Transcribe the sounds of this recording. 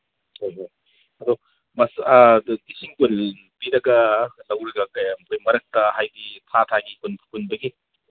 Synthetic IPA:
hojɦoj | ɐd̪ɔ | mɐsdisiŋkul | piɾɐɡɐlɐwɾɐɡɐkɐjmɐkʰojmɐɾɐk̚tɐhajɡitʰatʰaɡikunpʰkunbɐɡi

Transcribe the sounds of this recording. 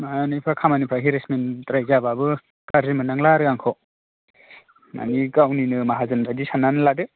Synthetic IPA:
maanipʰɾakʰamanipʰɾaɦiɾesmentɾajzababɯ | kaɾzimɯnaŋlaɾɯaŋkʰɔ | na̰nikawninɯmaɦazɯnɾadisananɯladɯ

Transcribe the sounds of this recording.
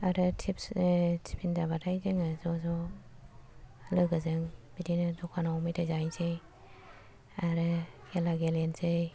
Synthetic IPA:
aɾɯtʰipstʰi̥pʰinzabatʰajzɯŋɯzɔzɔ | lɯɡɯzɯŋb̥idinɯzɔkʰanaɔmijtʰajzajzej | aɾɯɡelaɡelenzɯj

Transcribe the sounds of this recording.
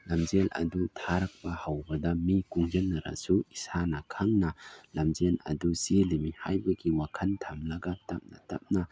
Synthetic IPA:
lɐmzelʔɐ̰dutʰaɾɐk̚pɐhawbɐdɐmikuŋd͡ʒenːɐɾɐ̰suisanɐkʰaŋnɐlɐmzelɐ̰dusilimihajbɐɡiwakʰɐntʰɐmlɐɡɐtɐp̚nɐ̰tɐp̚nɐ

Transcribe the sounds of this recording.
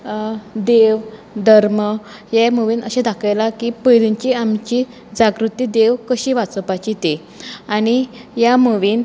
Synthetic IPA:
d̪eʋ | d̪ʱəɾmə | jeməʋiːnəɕẽd̪akʰajlakipəjliɲt͡ɕiamt͡ɕi | d͡ʑaɡɾut̪iːd̪eʋkəɕiːʋat͡səpat͡ɕit̪e | aɽ̃ijaməʋiːn

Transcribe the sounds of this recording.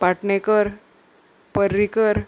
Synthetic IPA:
paʈnekəɾ | pəɾːikəɾ

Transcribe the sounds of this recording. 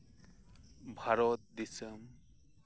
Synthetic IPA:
bʱaɾɔt̪̚d̪isəm

